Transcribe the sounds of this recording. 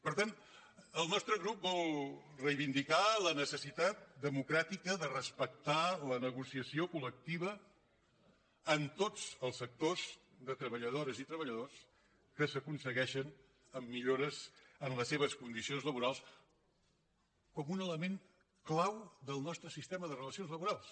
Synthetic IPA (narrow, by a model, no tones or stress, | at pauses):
pəɾt̪an | əlˠnɔst̪ɾəɣɾup̚bɔlˠrəjβind̪ikalənəsəsit̪at̪̚d̪əmukɾat̪ikəðərəspək̚t̪alənəɣusiəsiokulək̚t̪iβə | nt̪od͡zəlˠsːək̚t̪oz | ðət̪ɾəβəʎəð̞oɾəzit̪ɾəβəʎəðos | kəsəkunsəɣɛʃən | əmːiʎoɾəzənləsːeβ̞əskund̪isionzləβuɾalˠs | kɔmunələmeŋ | klawðəlˠnɔst̪ɾəsist̪eməðərələsionzləβuɾalˠs